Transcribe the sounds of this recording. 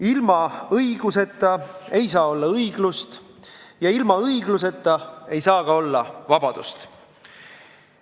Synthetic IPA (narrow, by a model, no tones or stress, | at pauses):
ilmɑɤjɡ̥use̞t̪ˑːɑe̞jsɑːo̞lːɑɤiɡ̥lust̪ | jɑilmɑɤjɡluse̞t̪ːˑɑe̞jsɑːɡ̥ɑo̞lːɑvɑb̥ɑd̪̥ṵst̪